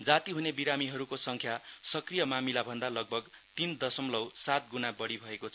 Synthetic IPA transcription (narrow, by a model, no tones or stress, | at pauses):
d͡zat̪iɦunebiɾamiɦʌɾukosʌŋkʰjasʌkrijʌmamilabʱʌnd̪alʌɡ̚bʱʌɡ | t̪ind̪ʌsʌmlʌwsat̪̚ɡunabʌɽibʱʌekot͡sʰ